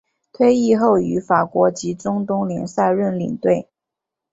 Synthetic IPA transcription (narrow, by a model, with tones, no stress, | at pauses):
t̪ʰwe˥ɪi˥˧xo˥˩ʊy˧˥fa˨˩kwɔ˧˥t͡ɕi˧˥ʈ͡ʂʊ˥ŋt̪ʊ˥ŋli˧˥ŋsa˥˧ɪɻə˥˩nlḭ˨˩ŋt̪we˥˩ɪ